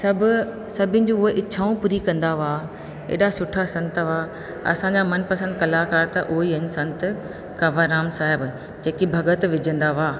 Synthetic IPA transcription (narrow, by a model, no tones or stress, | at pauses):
sɐbʱʊ | sɐbʱɪ̃nɪ̆d͡ʑũːʊɦeʔɪːɕʰaːũpuːɾikɐ̃nd̪aʋaː | ḛːɗasʊʈʰasɐ̃nt̪ʋaː | ɐ̰sãɲd͡ʑamɐnpɐsə̃nd̪kɐlaːkaːɾt̪ɐʔʊɦiɐɲsɐ̃nt̪ | kɐʋaɾaːmsaːɦɪb | d͡ʑeːkibʱɐɡət̪ʋɪd͡ʑʱə̃nd̪aʋaː